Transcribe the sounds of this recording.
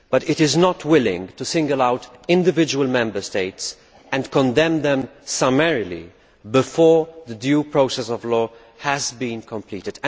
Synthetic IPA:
b̥ʌtɪtɪznɔtwɪlɪ̰̃ŋɡtusɪ̃ŋɡəlaʊtɪ̃ndɪvɪd͡ʒəwəlmɛ̃mbə˞steɪts | ɛ̃nkɔ̃ndɛ̃md̪ɛ̃msamɛɹilḭ | bɪfɔːɹðədjuːpɹoʊsɛsɔvlɔː | hæzbĩːnkɔ̃mplḭːtɪd̃

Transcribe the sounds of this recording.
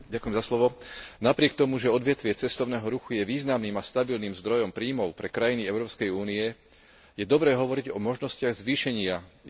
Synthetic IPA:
ɟakujɛmzaslɔʋɔnapɾɪɛk̚t̪ɔmuʒɛɔd̪ʋɪɛt̪ʋɪɛt͡sɛst̪ɔʊnɛːɦɔɾuxujɛʋiːznamniːmast̪abilniːmzd̪ɾɔjɔmpɾiːmɔʊpɾɛkɾajiniɛʊɾɔːpskɛjuːniɛ | jɛd̪ɔbɾɛːɦɔʋɔɾiɟɔmɔʒnɔscɪaɣzʋiːʃɛɲɪa

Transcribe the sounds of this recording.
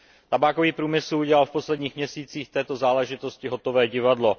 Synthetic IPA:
t̪abaːkoviːpɾuːmɪsl̩uɟɛlalfpo̞slɛdɲiːxmɲɛsiːt͡siːxt̪ɛːt̪o̞zaːlɛʒɪt̪o̞scɪɦo̞t̪o̞vɛːɟɪvadlo̞

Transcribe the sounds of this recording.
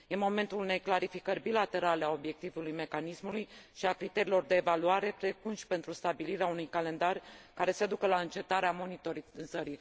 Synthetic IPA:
je̞mo̞me̞nt̪ulune̞jklaɾifikərʲbilat̪e̞ɾale̞ao̞bje̞k̚t̪ivulujme̞kanismulujʃiakɾit̪e̞ɾilo̞rd̪e̞ːvaluaɾe̞pɾekunʃi̥pe̞nt̪ɾust̪abiliɾeaunujkale̞nd̪arʲkaɾe̞sead̪ukəlaɨnt͡ʃe̞t̪aɾeamo̞nit̪o̞ɾizəɾi

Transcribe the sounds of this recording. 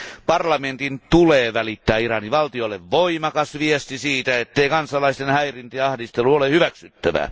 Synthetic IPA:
pɑrlɑment̪int̪uleːʋælit̪ːæːirɑniʋɑlt̪iolːeʋʋoimɑkɑsʋiest̪isiːt̪æet̪ːeikɑnsɑlɑist̪enhæirint̪eɑhdist̪eluolehyʋæksyt̪ːæʋæ̰

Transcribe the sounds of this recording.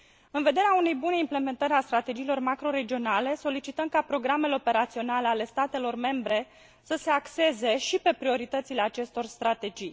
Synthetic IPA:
ɨnve̞d̪e̞ɾeaune̞jbuneimple̞me̞nt̪əɾeast̪ɾat̪e̞d͡ʒiːlo̞rmakɾo̞ɾe̞d͡ʒio̞nale̞so̞lit͡ʃit̪əmkapɾo̞ɡɾame̞leo̞pe̞ɾat̪sio̞naleale̞st̪at̪e̞lo̞rme̞mbɾe̞ | səse̞akse̞ze̞ʃipe̞pɾio̞ɾit̪ət̪sile̞at͡ʃe̞st̪o̞rst̪ɾat̪e̞d͡ʒij

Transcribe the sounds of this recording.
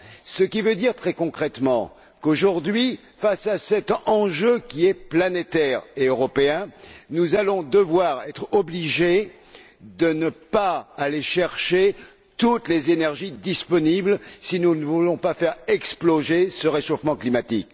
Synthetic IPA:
səkʲivød̪iʁt̪χɛkɔ̃kχɛt̪mɑ̃ | koʒuʁd̪ɥi | fasasɛt̪ɑ̃ʒøkʲiɛplanet̪ɛʁeøʁɔpeɛ̃nuzalɔ̃d̪əvwaʁɛt̪χɔbliʒe | d̪ənəpaːleʃɛʁʃe | t̪ut̪lezenɛʁʒid̪ispɔniblsinunəvulɔ̃pafɛʁɛksploʒesəʁeʃofmɑ̃klimat̪ik

